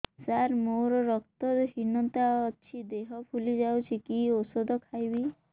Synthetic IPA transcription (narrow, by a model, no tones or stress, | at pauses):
saɾmoɾɔɾɔk̚t̪ɔɾɦinɔnt̪aːʃʰid̪eɦɔpʰulid͡ʒawt͡ʃʰikiosod̪ɔkʰajbi